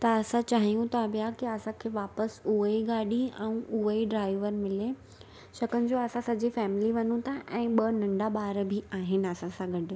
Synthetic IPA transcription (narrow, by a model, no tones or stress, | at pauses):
t̪ɐɐsãt͡ɕaːɦijũt̪ʰabjakiɐsãkʰeːʋaːpəsuɦəiɡaːɗiɛ̃ũuɦəiɖɾaːɪʋəɾmɪle | ɕɐkənɪ̆d͡ʑoɐsãsɐd͡ʑifɛːmɪliʋɐnũt̪ʰãʔɛ̃ːɓɐnɐ̃ɳɖaɓaːɾbʱiaːɦɪn̆ɐsãsãɡɐɖ